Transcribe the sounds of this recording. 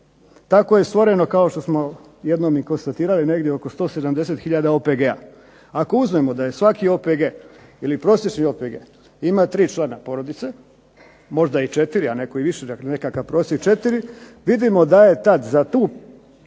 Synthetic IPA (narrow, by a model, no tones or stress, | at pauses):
t̪ako̞je̞st̪ʋo̞ɾe̞no̞kao̞ʃt̪o̞smo̞ | jed̪nomiko̞nst̪at̪iːɾaline̞ɡd̪jeo̞ko̞st̪o̞ːse̞d̪amd̪e̞se̞t̪xiʎad̪aopeɡea̰ | ako̞uzmemo̞d̪aje̞sʋakio̞peɡe̞ːilipɾo̞sjet͡ʃnio̞peɡḛ | imat̪ɾiːt͡ʃlˠaːnapo̞ɾo̞d̪it̪se̞ | mo̞ʒd̪ait͡ʃe̞t̪iɾiane̞koiʋiʃenenekakapɾo̞set͡ʃe̞t̪iɾiʋid̪imo̞d̪aje̞t̪ad̪zat̪uː